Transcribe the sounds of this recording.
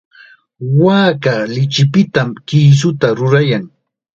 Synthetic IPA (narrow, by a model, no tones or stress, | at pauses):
waːkalɪt͡ʃɪpɪt̪amkiːs̬ʊt̪aɾʊɾajaŋ